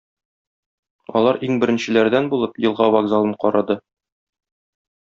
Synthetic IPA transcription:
ɒ̰lˠɑɾiŋbɘ̆ɾɘ̆nɕɘ̆læɾd̪ænbulˠɤpjɤ̆lˠʁɑvaɡzalˠɤɴqɒɾɑd̪ɤ

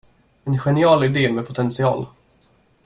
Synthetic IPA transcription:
ɛnɧɛnɪɑːlɪd̪eːmɛpʰʊt̪ʰɛnsɪɑ̰ːl

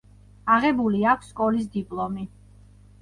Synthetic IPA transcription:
aʁɛbuliakʰsːkʼɔlis̬d̪ipʼlˠɔmi

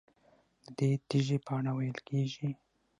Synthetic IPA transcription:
d̪əd̪et̪iʒepɑɳawajəlkeʒi

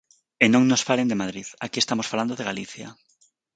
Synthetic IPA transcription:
enõŋnosfalend̪emaðɾiðakiest̪amosfaland̪oðeɣaliθja̰

